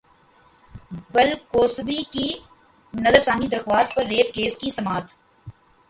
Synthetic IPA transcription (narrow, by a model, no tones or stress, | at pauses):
bɐlkoːsbiki | nɐzəɾsaːmid̪ɐɾxwaːst̪̚pɐɾːeːp̚keːskisɐmaːt̪